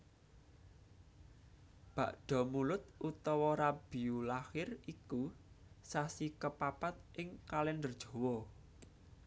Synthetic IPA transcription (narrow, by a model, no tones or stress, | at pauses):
b̥a̤̰ʔɖ̥ɔ̤mulʊt̪̚ʔut̪ɔwɔɾab̥i̤ulaxɪriku | sasikəpapat̪̚ʔɪŋkalɛnd̪ərd̥ʒ̥o̤wɔ